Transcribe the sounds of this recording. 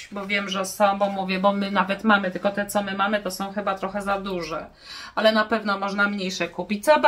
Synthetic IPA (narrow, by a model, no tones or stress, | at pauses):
bɔvʲjɛmʐɛsɔ̃w̃bɔmuvʲjɛbɔmɘnavɛt̪mamɘt̪ɘlkɔt̪ɛt̪sɔmɘmamɘt̪ɔsɔ̃w̃xɘbat̪ɾɔxɛzad̪uʐɛ | alɛnapɛvnɔmɔʐnamɲejʂɛkupʲit͡ɕt̪sɔb